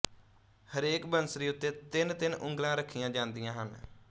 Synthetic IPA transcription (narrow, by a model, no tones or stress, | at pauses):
həɾeːkbənsɾiːʊt̪ːeːt̪ɪnt̪ɪnʔʊ̃ŋɡlãːɾəkʰːijãːd͡ʒãːnd̪ɪjãːɦən